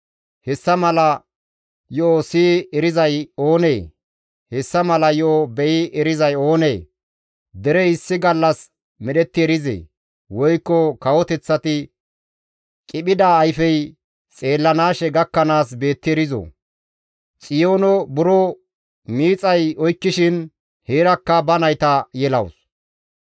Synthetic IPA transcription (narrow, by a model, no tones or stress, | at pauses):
hɛsːɐmɐlɐ | jɔːsiːɛɾɪzɐjo̞ːneː | hɛsːɐmɐlɐjɔbɛjɪɛɾɪzɐjo̞ːneː | d̪ɛɾɛɪsːɪɡɐlːɐs | mɛɗɛt̪ːɪɛɾɪzḛː | wɔjkːɔkɐwɔt̪ɛt͡sːɐt̪ɪ | kʼɪɓɪd̪aːjfɛj | t͡sʼe̞ːlːɐnaːʃɛɡɐkːɐnaːs̬be̞ːt̪ːɪɛɾɪzo̰ | t͡sʼɪjoːnɔbʊɾɔ | miːt͡sʼɐjɔjkːɪʃɪn | heːɾɐkːɐbɐnɐjt̪ɐjɛlɐws